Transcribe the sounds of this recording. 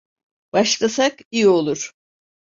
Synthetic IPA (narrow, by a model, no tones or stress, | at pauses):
b̥aʃlˠasakijo̞lˠuɾ̥